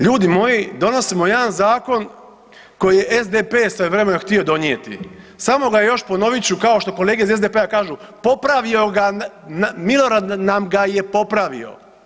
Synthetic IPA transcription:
ʎuːd̪imo̞jid̪o̞no̞simojed̪anzaːko̞n | ko̞jije̞ʔezd̪epeːsojeʋɾemenoxt̪io̞d̪o̞niet̪ḭ | samo̞ɡajejo̞ʃpo̞no̞ʋit͡ɕukao̞ʃt̪oko̞leːɡeizezd̪epe̞akaːʒu | po̞pɾaʋio̞ɡa | milo̞ɾad̪namɡajepo̞pɾaʋḭo̞̰

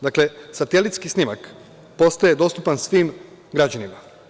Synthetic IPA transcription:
d̪akle̞sat̪e̞lit̪skisnimak | po̞st̪aje̞d̪o̞st̪upansʋiːm | ɡɾad͡ʑanima

